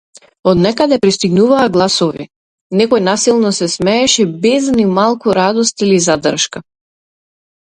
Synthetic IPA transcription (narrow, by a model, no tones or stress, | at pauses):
ɔd̪nɛkad̪ɛpɾist̪iɡnuvaːɡlˠasɔvḭ | nɛkɔjnasilˠnɔsɛsmɛːʃɛbɛznimalˠkuɾad̪ɔst̪ilizad̪rʃka